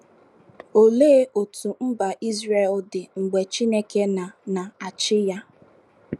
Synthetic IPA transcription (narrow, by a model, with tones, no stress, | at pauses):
o˨le˦ʔo˨tu˨m̩˦ba˨ʔi˦zre˨ldɪ˨ŋ͡m̩˨ɡ͡be˨t͡ʃi˦ne˦ke˦na˨na˨a˨t͡ʃɪ˦ja˦